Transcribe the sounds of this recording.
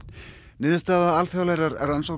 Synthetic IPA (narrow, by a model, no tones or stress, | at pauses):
nɪːðɪst̪aːðaalfjawlaːjɾaɾɛ̰ɾransow